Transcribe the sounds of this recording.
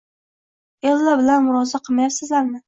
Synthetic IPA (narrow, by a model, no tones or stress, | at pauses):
elːabɪlanmʊɾɒzaqʰɨmajapsɪzlaɾmɪ